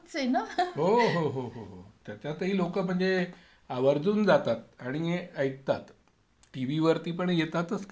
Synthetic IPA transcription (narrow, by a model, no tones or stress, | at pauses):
t͡senaɦoɦoɦoɦoɦot̪jat͡ɕjat̪əɦiːlokəm̤əɳd͡ze | aʋəɾd͡zuːnd͡zat̪at̪̚aɽ̃ieəjt̪ːat̪ | ʈiʋiʋəɾt̪iːpəɳjet̪at̪əsk